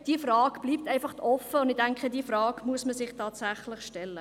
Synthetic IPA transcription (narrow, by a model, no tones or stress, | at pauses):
d̥iːfrɑːɡ̥b̥liːp̚tɛɪnfɑχtʰɔfəʊndɪdæŋkχədiːfrɑːkmuəsməsɪχtʰɑːtsæχlɪχʃtɛlːə